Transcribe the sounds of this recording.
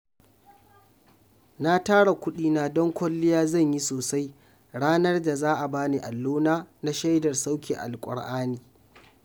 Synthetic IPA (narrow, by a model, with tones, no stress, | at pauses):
na˦taː˦ɽa˨kʷʊ˦ɗiː˦naː˦dɔ˦ŋkʷɐ˦lːɪ˦jaː˦zɐ˦˨ɲji˦soː˨sa˦j | ɽaː˦nɐ˦rda˨zaː˦ʔa˨baː˦ni˨ʔa˨lːuː˦naː˦na˦ʃa˦jdɐ˨rsa˦wkʲḛ˨ʔa̰˨lkʷʼʊ̰˨ɽʔaː˦niː˨